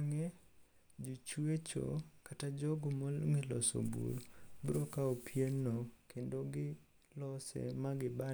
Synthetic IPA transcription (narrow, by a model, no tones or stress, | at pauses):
ŋɛ | d͡ʒot͡ʃwet͡ʃo̰katad͡ʒɔɡomɔŋɪlɔso̰bṵɾbuɾokaopʰjenːokʰendoɡɪ | lɔsɛ̰maɡɪba